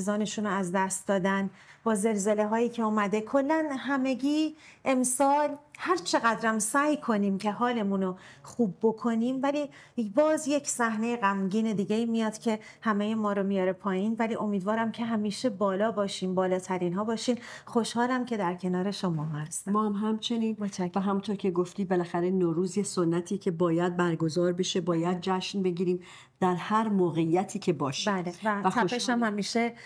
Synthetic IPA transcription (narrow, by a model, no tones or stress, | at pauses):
zɒːne̞ʃuːnoæzd̪æst̪̚d̪ɒːd̪æn | b̥ɒːze̞lze̞le̞ɦɒːjiːcʰe̞uːmæd̪e̞kʰo̞lːænɦæme̞ɟiːʔe̞msɒːlhæɾt͡ʃʰe̞ɣæd̪ɾæmsæjkʰo̞niːmcʰe̞ɦɒːle̞munoχuːbːo̞kʰo̞niːmvælibɒːzje̞cʰsæhne̞jeɣæmɟiːne̞d̪iːɟeiːmijɒːd̪cʲʰe̞hæme̞jemɒːɾomijɒːɾe̞pʰɒːjiːnvæliːʔo̞miːd̪vɒːɾæmcʰe̞ɦæmiːʃe̞bɒːlɒːbɒːʃiːmbɒːlɒːt̪ʰæɾiːnɦɒːbɒːʃiːnxo̞ʃhɒːlæmcʰe̞d̪æɾcʰe̞nɒːɾe̞ʃomɒːæst̪mɒːhmɦæmt͡ʃʰe̞niːnt͡ʃvæɦæmunt̪ʰoɾcʰe̞ɡoft̪iːbe̞læxæɾenoːɾuːzjesonːæt̪ʰiːcʲʰe̞bɒːjæd̪̚bæɾɡo̞zɒːɾbe̞ʃe̞bɒːjæd̪̚d͡ʒæʃnbe̞ɟiːɾiːm | d̪̥æɾhæɾmoːɣejːæt̪ʰiːcʰe̞bɒːʃibælevææxʰæeʃæmhæmiːʃe